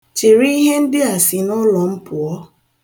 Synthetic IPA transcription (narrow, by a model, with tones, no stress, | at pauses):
t͡ʃe˨ɾi˦ɦe˦n̩˦dɪ˦a˨sɪ˨nʊ˦lɔ˨m̩˦pʊ˨ɔ˦